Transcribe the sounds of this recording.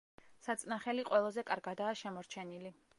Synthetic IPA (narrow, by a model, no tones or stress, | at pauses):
sat̪sʼnaχɛliqʼwɛlˠɔzɛkʼaɾɡad̪aːʃɛmɔɾt͡ʃʰɛnili